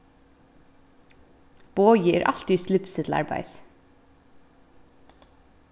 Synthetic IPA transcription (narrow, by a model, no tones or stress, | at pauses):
b̥oːjiḛːɾʔɑlt̪ɪslʉpsɪt̪l̩ɑ̰ɹbæ̰ɪs